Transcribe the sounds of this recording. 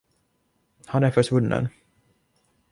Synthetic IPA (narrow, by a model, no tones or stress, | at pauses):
hanæɾfœʂvɵnːə̰n